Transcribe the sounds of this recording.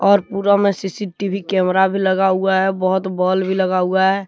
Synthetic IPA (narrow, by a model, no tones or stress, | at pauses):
ɔːɾpuːɾamesisiʈibʱikɛmɾabʱiləɡauaɦɛbəɦʊt̪bɔlbʱiləɡaːuaɦɛː